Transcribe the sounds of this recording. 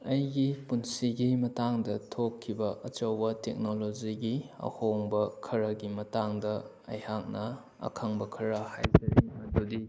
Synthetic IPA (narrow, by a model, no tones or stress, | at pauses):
ɐjɡipunsiɡimɐtaŋdɐtʰokʰːibɐʔɐt͡ʃɐwbɐtek̚nolod͡ʒiɡiɐ̰hoŋbɐkʰɐɾɐɡimɐtaŋdɐ | ɐ̰jhak̚nɐ | ɐ̰kʰɐŋbɐkʰɐɾɐhajd͡ʒɐɾimmɐdudi